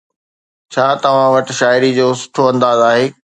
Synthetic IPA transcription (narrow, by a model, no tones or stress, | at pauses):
t͡ɕʰaːt̪ɐʋ̤ãʋɐʈɪ̆ʃaːɪɾid͡ʑoːsʊ̥ʈʰoɐ̃nd̪aːzaːɦeː